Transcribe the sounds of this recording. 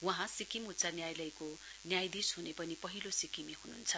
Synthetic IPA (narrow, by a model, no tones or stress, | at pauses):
wʌɦãsikimutt͡sanjajlʌjko | njajd̪isɦunepʌnipʌɦilosikimiɦununt͡sʰʌ